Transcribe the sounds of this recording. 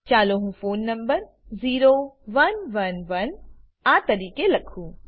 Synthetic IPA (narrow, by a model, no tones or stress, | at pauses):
t͡ɕaːloɦũfoːnːɐ̃mbəɾ | ziːɾoʋɐnʋɐnʋɐn | aːt̪ɐɾiːkelɐkʰũː